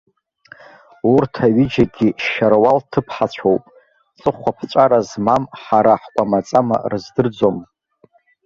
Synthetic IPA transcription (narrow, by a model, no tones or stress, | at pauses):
urtʰaɥid͡ʒaɡʲiʃarwaltʰɨpʰħat͡ɕʷʰowpʼ | t͡sʼɨχʷapʰt͡ɕʷʼaɾazmamħaɾaħkʷʼamat͡sʼama̰rɨzdɨrd͡zo̞m